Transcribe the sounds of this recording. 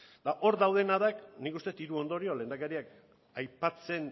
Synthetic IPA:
d̪̥aʔo̞ɾd̪awðe̞naðaknikust̪e̞t̪iɾuo̞nd̪o̞ɾio̞le̞ːnd̪akeɾiak | ajpat͡se̞n

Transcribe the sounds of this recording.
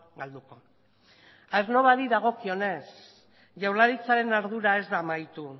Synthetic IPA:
ɡald̪uko̞ | aeɾno̞βaɾiðaɣ̞o̞kio̞ne̞s | ʝawlaɾit͡saɾe̞naɾðuɾae̞zd̪amajt̪u

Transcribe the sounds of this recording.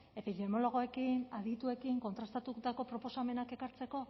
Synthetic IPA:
e̞piðe̞mo̞lo̞ɣ̞o̞e̞kinaðit̪ue̞kiŋko̞nt̪ɾast̪at̪ut̪ako̞pɾo̞po̞same̞nake̞kaɾt͡se̞ko̞

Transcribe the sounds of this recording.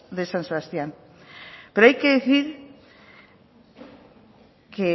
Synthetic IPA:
ðesanseβast̪jaŋ | peɾoajkeðiθiɾ | ke

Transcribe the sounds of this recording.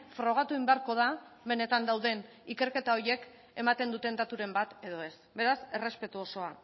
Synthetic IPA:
fɾo̞ɣ̞at̪uimbe̞aɾko̞ð̞a | βe̞ne̞t̪and̪awðe̞n | ike̞ɾke̞t̪ao̞ɾie̞k | e̞mat̪e̞nd̪ut̪e̞nd̪at̪uɾe̞mbat̪e̞ðo̞e̞sbe̞ɾase̞re̞spe̞t̪uo̞so̞a

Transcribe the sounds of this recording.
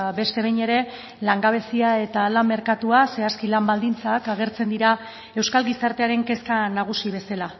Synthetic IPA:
be̞st̪e̞βejɲe̞ɾe̞ | laŋɡaβ̞e̞siae̞t̪alamːe̞ɾkat̪uase̞askilambald̪int͡sakaɣ̞e̞ɾt͡se̞nd̪iɾa | e̞wskalɣisaɾt̪e̞aɾe̞ŋke̞skanaɣ̞usiβe̞sala

